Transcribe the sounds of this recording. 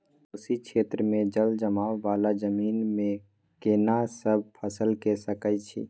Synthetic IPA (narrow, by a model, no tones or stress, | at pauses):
osikʃʰeːt̪ɾəmẽd͡ʒəld͡ʒəmaːwːaːlad͡ʒəmiːnmẽ | kenasəb̚pʰəsəlkesəkət͡ʃʰḭ